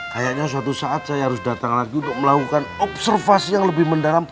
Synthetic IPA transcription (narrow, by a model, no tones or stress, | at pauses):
kajaʔɲas̬uat̪usaat̪̚sajaɦaɾʊsdat̪aŋlaɡiunt̪ʊk̚məlakukanɔp̚sərfasijaŋləbɪhməndalam